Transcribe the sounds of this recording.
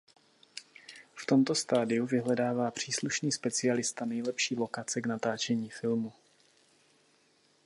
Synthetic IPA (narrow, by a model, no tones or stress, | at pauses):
ft̪o̞mt̪ost̪aːdɪjuvɪɦlɛdaːvaːpr̝̥iːsluʃniːspɛt͡sɪalɪst̪anɛjlɛpʃiːlo̞kat͡sɛɡnat̪aːt͡ʃɛɲiːfɪlmu